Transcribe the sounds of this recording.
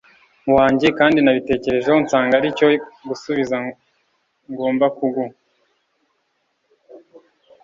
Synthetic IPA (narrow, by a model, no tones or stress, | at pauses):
muwaːɲɟekaːndinaβite̞ːce̞ɾe̞ʒehont͡saːŋɡaɾico̞ɡusuβiza | ŋɡoːmbakuɡu